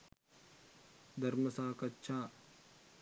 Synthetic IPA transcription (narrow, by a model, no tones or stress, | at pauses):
d̪ʱɐɾməsaːkɐtːʃʰaː